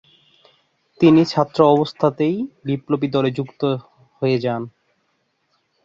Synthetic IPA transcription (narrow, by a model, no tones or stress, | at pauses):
t̪init͡ɕʰat̪ːɾoɔbost̪ʰat̪ejɖiplopid̪ɔled͡ʑukt̪o | hoed͡ʑan